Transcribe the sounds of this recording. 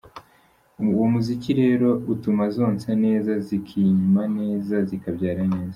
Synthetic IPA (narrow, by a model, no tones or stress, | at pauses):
womuziciɾe̞ːɾo̞utumazo̞ːnsene̞ːzazikʰiːɲumane̞ːzazikabɟaːɾane̞ːza